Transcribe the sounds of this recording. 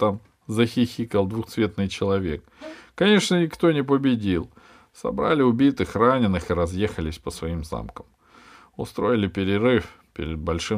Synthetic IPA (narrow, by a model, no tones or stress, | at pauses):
t̪am | zəxʲɪxʲikəlˠd̪vʊxt̪svʲe̞t̪nɨjt͡ɕɪlˠɐvʲe̞kː | ɐnʲe̞ʂnənʲɪkt̪onʲɪp̬əbʲɪdʲilˠ | sɐ̰bɾa̰lʲɪʊbʲit̪ɨxranʲɪnːɨxɨɾɐzjexəlʲɪsʲpəsvɐimza̰mkəm | ʊ̰st̪ɾo̞jɪlʲɪpʲɪɾʲɪɾɨf | pʲɪ̰ɾʲɪd̪̚bɐlʲʂɨ